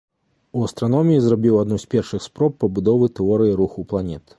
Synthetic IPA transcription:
uɐst̪ɾanɔmʲijizrabʲiwad̪nusʲpʲɛrʂɨxspɾɔpːɐbud̪ɔvɨt̪ɛɔɾɨjiɾuxuplˠanʲɛt̪

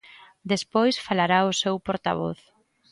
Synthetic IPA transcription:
d̪espojsfalaɾaʊsewpoɾt̪a̰β̞o̰θ

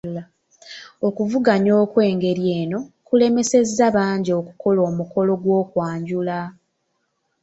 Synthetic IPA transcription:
okuvuɡaɲo̞ːkwe̞ːŋɡe̞ɾjeːno̞kule̞me̞se̞zːaβaːɲɟiokuko̞lo̞ːmuko̞lo̞ɡwo̞ːkwaːɲɟula

